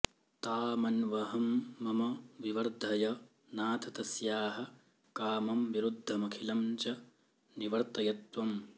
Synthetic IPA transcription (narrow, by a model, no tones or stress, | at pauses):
t̪aːmɐnʋɐɦɐmːɐmɐʋiʋɐɾd̪ʱɐjɐ | naːt̪ʰɐt̪ɐsjaːɦɐ̆ | kaːmɐmʋiɾud̪ʱːɐmɐkʰilɐmt͡ʃɐ | niʋɐɾt̪ɐjɐt̪ʋɐm